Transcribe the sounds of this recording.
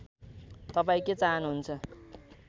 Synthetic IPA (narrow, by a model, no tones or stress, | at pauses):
t̪ʌpaĩket͡saɦʌnuɦunt͡sʰʌ